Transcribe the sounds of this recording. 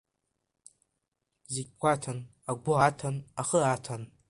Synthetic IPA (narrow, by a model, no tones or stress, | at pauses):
zeɡʲkʷatʰan | aɡʷʊatʰanaχəatʰan